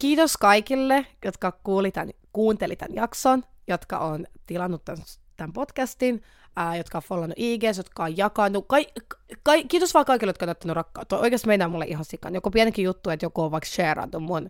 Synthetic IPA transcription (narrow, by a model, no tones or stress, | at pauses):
kiːt̪oskɑikilːejot̪kɑkuːlit̪æ̰nkuːnt̪elit̪æ̰njɑkson | jot̪kɑ̰ʔoːnt̪ilɑnːut̪tːæns | t̪æmpot̪kæst̪in | əːjot̪kɑofolːɑnːṵʔiːɡeːsjot̪kɑojjɑkɑnukɑikɑikːiːt̪osʋɑːkɑikilejot̪kɑonæyt̪ːænyrɑkːɑut̪ːooikest̪meinæːmulːḛʔihɦɑnsikːɑ̰njokopiænekijut̪ːuet̪jokooːʋɑikʃeːrɑ̰nːummun